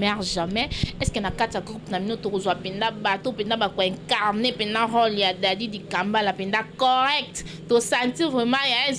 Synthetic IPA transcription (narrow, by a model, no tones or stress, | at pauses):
mɛʁʒamɛɛskenakatijaɡʁupnabinotokozwapɛndabatopɛndabakoɛ̃ŋkaʁnepɛndãʁɔljadadidikambalapɛndakɔʁɛk̚t | tosãtivʁɛmãjaɛ̃